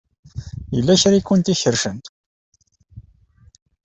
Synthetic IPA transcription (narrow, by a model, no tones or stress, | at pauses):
jəlːæçɾikːʊnt̪içəɾʃənt̪